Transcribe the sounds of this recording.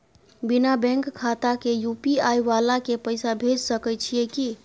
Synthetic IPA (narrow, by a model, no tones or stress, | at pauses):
binabɛ̃ŋkkʰːat̪akejupiajʋalakepəɪjsabʱed͡ʒsəkɛt͡ʃʰijeki